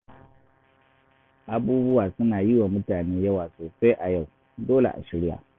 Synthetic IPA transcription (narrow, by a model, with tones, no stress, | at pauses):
ʔa˨buː˦bʊ˦wa˨sʊ˦na˨ji˦wa˨mʊ˦taː˨neː˦ja˦wa˨so˨sa˦ʔa˨ja˦˨w | doː˦lḛ˨ʔa̰˨ʃi˨ɾɪ˦ja̰˨